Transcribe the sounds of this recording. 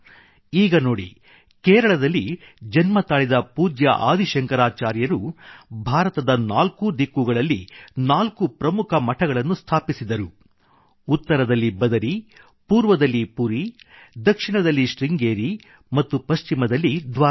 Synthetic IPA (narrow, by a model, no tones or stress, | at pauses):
iːɡɐnoːɽḭ | kɛːɾɐɭɐd̪ɐlːi | d͡ʒɐnmɐt̪aːɭid̪ɐpuːd͡ʒjɐʔaːd̪ʱiʃɐŋkɐɾaːt͡ʃaːɾjɐɾubʱaːɾɐt̪ɐd̪ɐnaːlkud̪ikːuɡɐɭɐlːinaːlkupɾɐmukʰɐmɐʈʰɐɡɐɭɐnːust̪ʰaːpisid̪ɐɾu | ut̪ːɐɾɐd̪ɐlːibɐd̪ɐɾi | puːɾʋɐd̪ɐlːipuɾi | d̪ɐkʂiɳɐd̪ɐlːiʃɾiŋɡeːɾi | mɐt̪ːupɐʃt͡ʃimɐd̪ɐlːid̪ʋaː